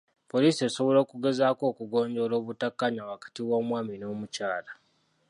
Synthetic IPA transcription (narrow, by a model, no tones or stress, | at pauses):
po̞liːsie̞so̞βo̞lo̞ːkuɡe̞zaːko̞ːkuɡo̞ːɲɟo̞lo̞ːβutakːaɲawakḁtiwomwaːmino̞ːmucaːla